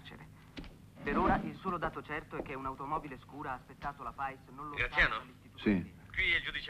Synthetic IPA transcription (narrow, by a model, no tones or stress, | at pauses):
t͡ʃḛɾḛ | peɾoːɾaʔilsuːlod̪aːt̪ot͡ʃɛrt̪oɛk̟ːeunawt̪omɔːbileskuːɾaːspet̪ːaːt̪olapajsnõnloɡɾat̪sjaːnoalːist̪it̪usikwiɛld͡ʒud̪it͡ʃ